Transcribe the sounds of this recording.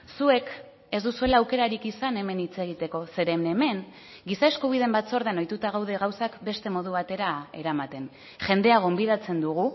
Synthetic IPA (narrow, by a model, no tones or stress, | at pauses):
sue̞k | e̞zd̪usue̞laːwke̞ɾaɾikisane̞me̞nit͡se̞ɣ̞it̪e̞ko̞se̞ɾe̞me̞me̞ŋ | ɡisae̞skuβ̞ið̞e̞mbat͡so̞ɾð̞enojt̪ut̪aɣ̞awð̞e̞ɣawsakbe̞st̪e̞mo̞ð̞uβat̪e̞ɾae̞̰ɾamat̪e̞n | ʝe̞nd̪e̞aɣo̞mbiðat͡se̞nd̪uɣ̞u